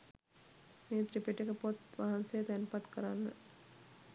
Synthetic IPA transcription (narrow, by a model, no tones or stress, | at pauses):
meːt̪ripiʈːekəpot̪ʋaɦansejət̪ænpat̪kəɾanːə̰